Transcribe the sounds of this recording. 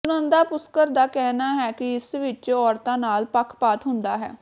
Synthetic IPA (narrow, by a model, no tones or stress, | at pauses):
t͡ʃʊnə̃ːnd̪aːpʊskəɾd̪aːkɛːnaːɦɛːkɪɪsʋɪt͡ʃɔːɾt̪ãːnaːlpəkʰpaːt̪ɦʊnd̪aːɦɛ̰ː